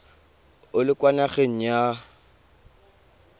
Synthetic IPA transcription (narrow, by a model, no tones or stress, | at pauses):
ʊlɪkʼwanaχeŋ̩ja